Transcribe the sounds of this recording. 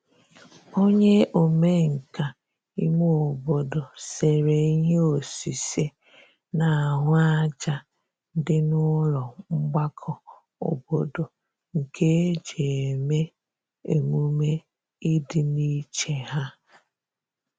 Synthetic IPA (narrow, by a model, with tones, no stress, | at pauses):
o˦ɲe˦ʔo˨me˦ŋ̩˨ka˨ | ḭ˦mo˦o˨bo˨do˨se˨ɾe˨i˦ɲe˦o˨si˨se˦ | na˨ɦʊ˦a˦d͡ʒa˨ | n̩˦dɪ˦nʊ˦ɾɔ˨ŋ͡m̩˦ɡ͡ba˦kʰɔ˨ | o̰˨bo˨do˨ | ŋ̩˨kʰe˦d͡ʒe˨e˨me˦ | e˨mu˦me˦ | i˦dɪ˨ni˦t͡ʃe˨ɦa˦